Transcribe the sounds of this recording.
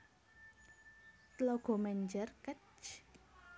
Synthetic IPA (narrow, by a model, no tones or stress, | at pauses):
t̪lɔɡ̥o̤mɛɲd͡ʒərkət͡ʃ